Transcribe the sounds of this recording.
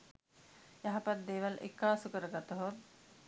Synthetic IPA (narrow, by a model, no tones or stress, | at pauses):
jaɦapat̪̚d̪eːʋalʔḛkːaːsukəɾəɡat̪əɦot̪